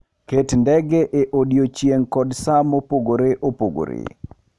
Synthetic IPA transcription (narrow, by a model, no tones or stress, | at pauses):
ketndɛɡeʔeʔodjot͡ʃjeŋkɔdsamopoɡoɾeʔopoɡo̰ɾḛ